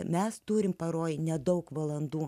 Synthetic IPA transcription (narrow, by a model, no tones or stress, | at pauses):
mʲɛst̪uːɾʲɪmpɐɾoːjnʲɛd̪ɐʊkʋɐlˠɐnd̪uː